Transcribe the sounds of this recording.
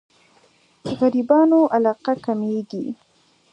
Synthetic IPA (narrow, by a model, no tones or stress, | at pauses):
əɣaɾibɑnoʔalɑqakameɡi